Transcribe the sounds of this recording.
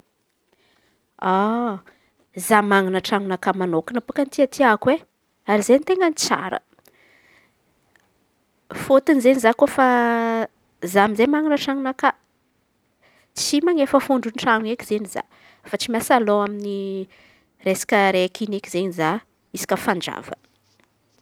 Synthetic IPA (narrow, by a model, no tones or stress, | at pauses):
a | zamaŋinəʈ͡ʂaŋunakamanokənapukənt̪iat̪ʰiakwe | aɾizent̪eŋɡənit͡sa̰ɾə̰ | fot̪inizenizakofa | zamizemaŋinəʈ͡ʂaŋunaka | t͡simaŋefəfuɳɖ͡ʐunʈ͡ʂaŋuekiz̥eniza̰ | fat͡simʲjasaloamini | resḁkʲəɾekʰinekʲizeɲiza | isi̥kʲəfaɳɖ͡ʐa̰v̥ə̰